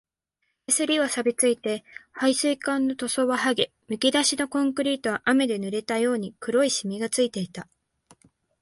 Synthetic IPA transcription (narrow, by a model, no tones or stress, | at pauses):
esɨɾʲiβasabʲit͡sɨit̪e̞haisɨikãnːo̞t̪o̞so̞βahaɡe̞ | mɯ̟kʲid̪aɕino̞kõ̞ŋkɯ̟ɾʲiːt̪o̞βaʔame̞d̪e̞nɯ̟ɾe̞t̪ajo̞ːɲ̟ikɯ̟ɾo̞iɕimʲiɡat͡sɨit̪e̞it̪a